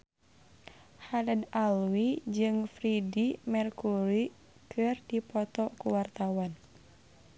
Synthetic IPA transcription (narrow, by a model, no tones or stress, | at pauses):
haladalwid͡ʒɨŋfɾidimɛrkuɾi | kʰɨrdipɔt̪ɔkuwart̪awan